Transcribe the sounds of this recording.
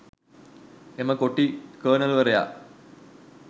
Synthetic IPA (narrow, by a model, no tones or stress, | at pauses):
emːɐkoʈːikəːnɐlʋɐrɐja̰ː